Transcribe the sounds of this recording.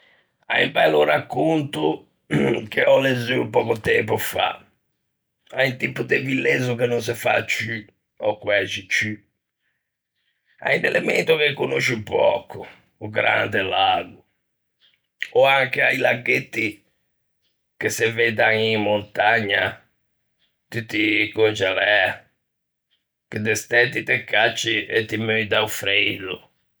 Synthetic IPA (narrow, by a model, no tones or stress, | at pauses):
a̰imbajluɾakːunt̪u | keɔlezypɔːkut̪ɛmpufa̰ | aint̪ipːud̪evilːezukenuns̬ɛfa̰t͡ʃːy | ɔkwɛt͡ʃːit͡ʃy | a̰inɛlɛment̪ukekːunoʃipɔ̰kʰːʊ | uɡɾa̰nd̪elaːɡʊ | ɔaŋkeajlaɡet̪ːi | keseved̪aŋimːont̪aɲːa | t̪yt̪ːikont͡ʃalɛ | ked̪est̪ɛt̪ːit̪ekːat͡ʃːiet̪ːimøjd̪aufɾelʊ